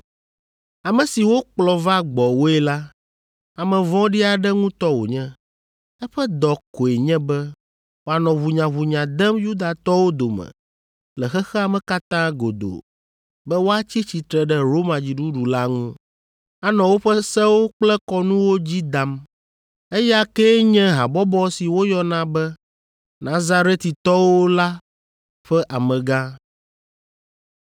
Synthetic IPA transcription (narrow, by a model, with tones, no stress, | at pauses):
a˨mɛ̃˨si˨wo˦k͡plɔ˨va˦ɡ͡bɔ˨wo˦ɛ˦la˦ | a˨mɛ̃˨vɔ̃˦ɖi˦a˨ɖɛ˦ŋũ˦t̪ɔ˦wo̰˨ɲɛ̃˦ | ɛ˦ɸɛ˦d̪ɔ˨ko˨e˨ɲɛ̃˦bɛ˦ | wo˨a˨nɔ̃˨βu˨ɲã˨βu˨ɲã˨d̪ɛ˦mju˦d̪a˨t̪ɔ˦wo˦d̪o˨mɛ̰̃˨ | lɛ˨xɛ˦xɛ˦a˨mɛ̃˨ka˦t̪ã˦ɡo˨d̪o̰˨ | bɛ˦wo˦a˦t͡ɕi˦t͡ɕi˨t̪ɾɛ˨ɖɛ˦ɾo˦mã˨d͡ʑi˨ɖu˦ɖu˨la˦ŋũ˦ | a˦nɔ̃˨wo˦ɸɛ˦sɛ˦wo˦k͡plɛ˦kɔ˦nũ˦wo˦d͡ʑi˦d̪a˨m | e˦ja˦kɛ˦ɲɛ̃˦ɦa̰˨bɔ˦bɔ˦si˨wo˦jɔ˦nã˦bɛ˦ | nã˦za˦ɾe˦t̪i˨t̪ɔ˦wo˦la˦ | ɸɛ˦ʔa˨mɛ̃˨ɡã˦